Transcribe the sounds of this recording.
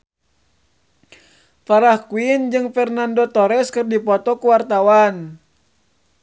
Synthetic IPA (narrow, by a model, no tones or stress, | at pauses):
faɾahkuind͡ʒɨŋfɛrnandɔt̪ɔɾɛskɨrdipɔt̪ɔkuwart̪awan